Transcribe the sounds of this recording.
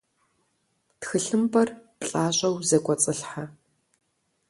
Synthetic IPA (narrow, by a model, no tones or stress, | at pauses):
txɨɬɨmbɐrpɬʼaːɕʼɐwzɐkʷʼɔt͡sʼɨɬħa